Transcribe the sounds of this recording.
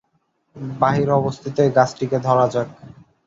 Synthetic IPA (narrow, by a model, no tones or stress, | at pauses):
baɦiɾɔbost̪ʰit̪eɡat͡ɕʰʈiked̪ʱɔɾad͡ʑak̚